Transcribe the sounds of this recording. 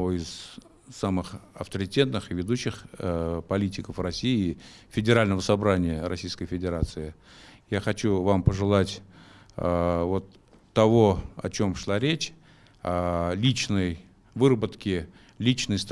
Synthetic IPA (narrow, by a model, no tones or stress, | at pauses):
voɪz | samɨxɐft̪əɾʲɪtʲe̞t̪nɨxɨvʲɪd̪uɕːɪxpɐlʲitʲɪkəfrɐsʲijɪːfʲɪdʲɪɾalʲnəvəsɐbɾanʲɪjəɾɐsʲijskəjfʲɪdʲɪɾat̪sɨɪ | jaxɐt͡ɕuvampəʐɨlˠatʲ | vo̞t̪ː | ɐvo̞ɐ̰t͡ɕo̞mʂlˠaɾʲet͡ɕ | alʲit͡ɕnəj | vɨɾəbət̪kʲɪ | lʲit͡ɕnəjst̪